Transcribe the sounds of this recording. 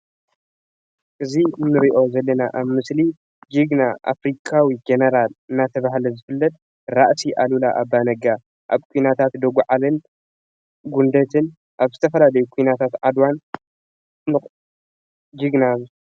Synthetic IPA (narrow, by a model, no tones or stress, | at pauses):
ʔɨzinɨɾiʔo̞zɐlːɐnaʔaβmɨsli | d͡ʒiɡnaʔa̰fɾikʰʼawid͡ʒenɐɾalɨnːat̪ʰɐβahlɐzɨfɨlːɐt̪ | ɾaʔsiʔalulaʔabanɐɡa | ʔa̰βkʰujnat̪ʰat̪d̪oɡuʕalɨn | ɡund̪ɐt̪ʰɨn | ʔaβzɨt̪ʰɐfɐlalɐjukʰujnat̪ʰat̪ʕad̪wan | nɨ | d͡ʒiɡnaz